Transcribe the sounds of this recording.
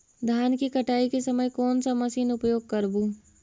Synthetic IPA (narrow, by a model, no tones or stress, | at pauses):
d̪ʱaːnkikɐʈaːikesəməjkɔːnsamɐsiːnʊpjoːɡ̚kəɾbu